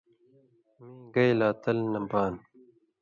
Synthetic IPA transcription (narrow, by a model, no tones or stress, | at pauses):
miɡɐjlaːt̪ɐlnɐmpaːn